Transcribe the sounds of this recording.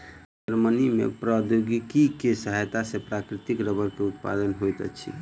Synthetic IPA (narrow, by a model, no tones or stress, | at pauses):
d͡ʒəɾmənimḛpɾad̪joɡikikesəɦəjt̪asepɾakɾit̪ikɾəbəɾkeut̪pa̰d̪ənɦojt̪ət͡ʃʰḭ